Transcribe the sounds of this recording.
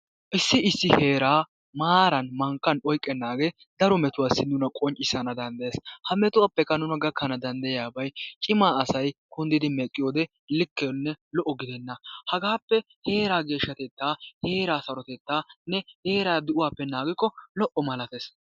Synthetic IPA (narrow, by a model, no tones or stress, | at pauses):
ʔɪsːɪɪsːɪhe̞ːɾaː | maːɾɐnmɐŋkːɐnɔjkʼːɛnːaːɡe | d̪ɐɾɔmɛt̪ʊwaːsːɪnʊnɐkʼɔnt͡ʃʼːɪsɐnɐd̪ɐnd̪ɐeːshɐmɛt̪ʊwapːɛkːɐnʊnɐɡɐkːɐnɐd̪ɐnd̪ɐjjaːbɐjt͡ʃʼɪmaːɐsɐjkʊnd̪ɪd̪ɪmɛkʼːɪjoːd̪ɛ | lɪkːɛnːɛlɔʔɔɡɪd̪ɛnːɐhɐɡaːpːɛ | he̞ːɾaːɡe̞ːʃːɐt̪ɛt̪ːaːhe̞ːɾaːsɐɾɔt̪ɛt̪ːaːnɛheːɾaːd̪ʊʔʊwaːpːɛnaːɡɪkːɔlɔʔɔmɐlɐt̪eːs